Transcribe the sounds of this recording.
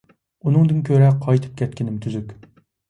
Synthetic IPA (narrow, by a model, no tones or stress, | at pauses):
unɨŋd̪ɨnkʲʰøɾɛqʰɑjt̪ʰɨ̥p̚kʲʰɛt̪kʲʰɪnɪmt̪ʰyzykʲ